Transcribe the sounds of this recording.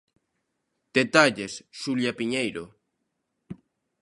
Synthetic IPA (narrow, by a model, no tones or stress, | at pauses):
d̪̥et̪aʎesʃuljapiɲejɾo